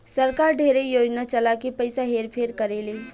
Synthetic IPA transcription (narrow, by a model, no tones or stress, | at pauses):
sɐɾkaːɾɖʱeːɾejoːd͡ʒnat͡ʃɐlakipɐɪsaɦeːɾpʰeɾkɐɾeːleː